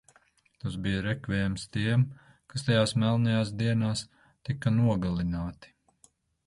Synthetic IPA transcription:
t̪asbijaɾɛkvʲɛːjmst̪iɛm | kast̪ajaːsmɛlˠnajaːsd̪iɛnaːs | t̪ikɐnuɔɡalˠinaːt̪i̥

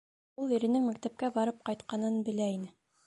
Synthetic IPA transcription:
ulˠĭɾɘ̆nɘŋmæk̚t̪æp̚kæbɑɾɤp̚qɑjt̪̚qɑnɤnbɘ̆læinɘ

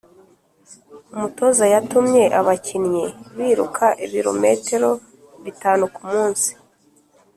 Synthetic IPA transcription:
umuto̞zajatumɲe̞ʔaβacinɲeβiːɾṵkʰaʔiβiɾo̞̰me̞̰teɾo̞ | βitaːnukumuːnsi̥

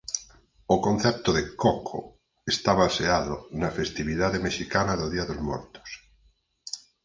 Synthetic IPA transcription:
okonθep̚t̪oðekokʰo̰ | est̪aβalseaðonafest̪iβiðaðemeʃikanaðoðiaðozmoɾt̪o̥s

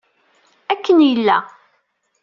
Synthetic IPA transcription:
ækːənjəlːæ

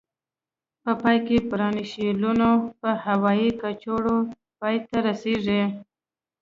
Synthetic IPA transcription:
pəpɑjkepɾɑniʃilunopəhawɑjikat͡ʃoɽo | pɑjt̪aɾaseʐi

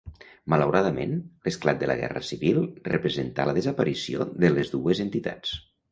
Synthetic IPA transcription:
mələwɾaðəmenləsklat̪̚d̪ələ̰ɣɛ̰rə̰siβilˠrəpɾəzənt̪a̰ləðəzəpəɾisio̰ðələzðuəzənt̪it̪a̰t͡s

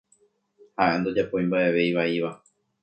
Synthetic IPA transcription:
haʔẽnd̪o̞d͡ʒapõj̃mbaʔe̞ʋe̞jʋaiʋa

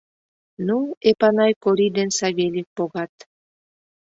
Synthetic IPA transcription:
nuepanajkoɾid̪ensaɣelik̚poɣat̪

